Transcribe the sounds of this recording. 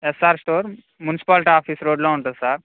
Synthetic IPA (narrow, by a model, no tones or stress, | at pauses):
esaɾsʈoːɾ | mjunsi̥palʈiaːfiːsɾoːɖloɦuɳʈ̪at̪saɾ